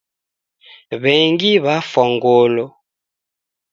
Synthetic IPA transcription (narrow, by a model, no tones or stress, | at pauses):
βɛŋɡiβafɔŋɡɔlɔ